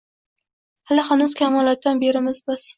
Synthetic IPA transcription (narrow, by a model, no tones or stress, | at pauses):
halɪχɑnuzkʲʰamɒlˠat̪ʰɒnbeɾɪmɪzbɒs